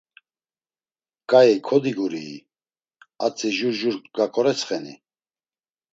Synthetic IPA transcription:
kʼaikʰɔd̪iɡuɾḭː | at͡sʼiʒuɾʒuɾkɡakʰʼɔɾɛt͡sʰχɛnḭ

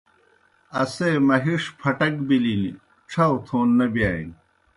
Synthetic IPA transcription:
ɐsemɐɦiʂpʰɐʈɐkbilini | ʈ͡ʂʰɐwt̪ʰoːnːɐbjaːḭn

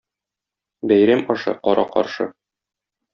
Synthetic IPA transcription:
bæjɾæmɒʃɤ̰qɒɾʔɑqɒ̰ɾʃɤ̰

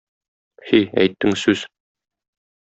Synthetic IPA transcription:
hiæ̰jt̪ːɘŋsʉz̥

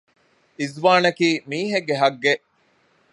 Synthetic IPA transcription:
izʋaːnɐkiːmiːɦeɡːeɦɐɡːeʔ

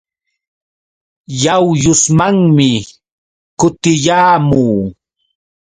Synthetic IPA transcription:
jawjʊsmaŋmɪ | kʊt̪ɪjaːmuː

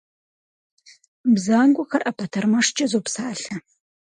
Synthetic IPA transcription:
bzaːnɡʷʊxɐrʔɐpʰɐtʰɐrmɐʂt͡ʃʼɐzopsaːɬɐ

